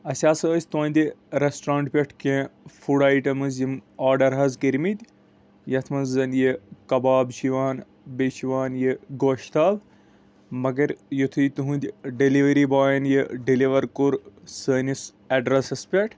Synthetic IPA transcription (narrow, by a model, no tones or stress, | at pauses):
ɐsʲaːsəːsʲt̪õːnʲd̪ʲiɾesʈɾãːɳʈpʲɐʈʰkẽːfuɽaːjʈɐmɨzimaːɖɐɾɦɐzkiɾmid̪ʲ | jɐt̪ʰmɐnzːɐnjekɐbaːbʃiʋaːn | beʃiʋaːnjeɡoːʃt̪aːl | mɐɡɐɾjut̪ʰujt̪uɦũnd̪ʲɖiliʋɐɾibaːjɐnjiɖiliʋɐɾkuɾsəːnis | ɐɖɾɐsɐspʲɐʈʰ